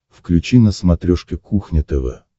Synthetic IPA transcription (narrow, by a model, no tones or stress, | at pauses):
fklʲʉt͡ɕinəsmɐt̪ɾʲoʂkʲɪkʰuxnʲɪt̪ɛvə̰